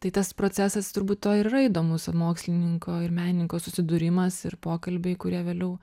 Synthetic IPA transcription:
t̪ɐɪt̪ɐspɾoːt͡sʲæsɐst̪ʊɾbuːt̪toːɪɾɾɐiːd̪oːmʊsɐmoːksʲlʲɪnʲɪŋkoːɪɾmʲæːnʲɪnʲɪŋkoːsʊsʲɪd̪ʊɾʲɪmɐsɪ̰rpoːkɐlʲbʲeɪkʊɾʲiɛʋʲeːlʲɛʊ

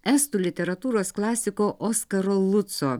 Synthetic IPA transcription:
ɛst̪uːlʲɪt̪ʲɛɾɐt̪uːɾoːsklˠɑːsʲɪkoːʔɔskɐɾoːlˠʊt̪soː

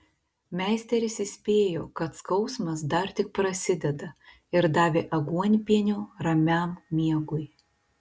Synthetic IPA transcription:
mʲæːˑɪsʲt̪ʲɛɾʲɪsɪsʲpʲeːjoːkɐt̪skɒʊsmɐs̬d̪ɐɾt̪ʲɪk̚pɾɐsʲɪd̪ʲɛd̪ɐ | ɪɾd̪ɑːʋʲeːʔɐɡuɔnʲpʲiɛnʲoːɾɐmʲæmmʲiɛɡʊj

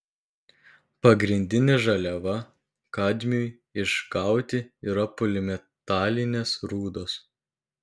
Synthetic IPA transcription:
pɐɡɾʲɪnʲd̪ʲɪnʲeʒɐlʲɛʋɐ | kɑːd̪ʲmʲuj | ɪʃkɑˑʊt̪ʲɪiːɾɐpʊlʲɪmʲɛt̪ɑːlʲɪnʲeːsɾuːd̪oːs

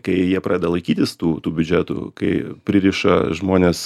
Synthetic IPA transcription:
kɐɪjiɛpɾɑːd̪ʲɛd̪ɛlˠɐɪkʲiːt̪ʲɪst̪uːt̪uːbʲʊd͡ʒʲæːt̪ʊ̰kɐɪpʲɾʲɪɾʲiʃɐ̰ʒmoːnʲeːs

